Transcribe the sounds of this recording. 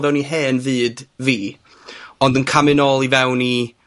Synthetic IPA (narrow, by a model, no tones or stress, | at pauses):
vɛwniɦeːnvɨːdviː | ɔndənkʰamɨnɔːlˠivɛwni